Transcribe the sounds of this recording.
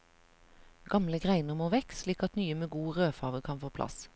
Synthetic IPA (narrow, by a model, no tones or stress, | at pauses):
ɡ̥ɑmləɡʁæɪnəʁmoːʋɛkliːkɑt̪nyːəmeːɡuːʁøːfɑːʋəkʰɑnfoːpʰlʔɑ̰s